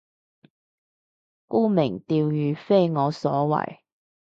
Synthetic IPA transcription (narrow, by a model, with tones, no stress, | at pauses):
kuː˥mɪ˨˩ŋt̪iː˧wjyː˨˧fe˥jŋɔː˨˧sɔ̰ː˨˥wɐ̰˨˩j